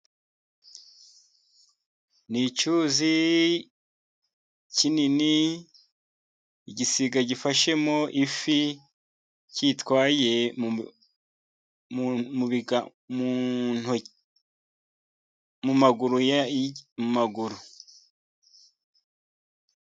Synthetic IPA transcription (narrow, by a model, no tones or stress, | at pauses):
nit͡ʃuzi | cinini | iɟisiɡaɟifaʃe̞moʔifi | ciːtkwaːje̞ | muβiɡa | mun | mumaɡuɾujamumaɡuɾu